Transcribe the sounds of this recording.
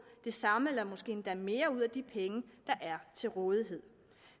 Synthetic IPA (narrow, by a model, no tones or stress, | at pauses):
d̥e̝sɑ̈məelɐmɒ̽sɡ̥e̝̰ːnd̥æme̝ːɐuð̞̰ˠæd̥ipʰeŋəd̥ɑ̈ʔæɐt͡sʰe̝lʁɔ̽ːð̞ˠiɦe̝ð̞̰ˠ